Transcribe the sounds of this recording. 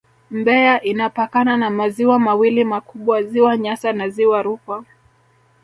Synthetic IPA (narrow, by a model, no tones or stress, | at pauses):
mbɛaʔinapakananamaziwamawilimakuɓwaziwaɲasanaziwaɾukwa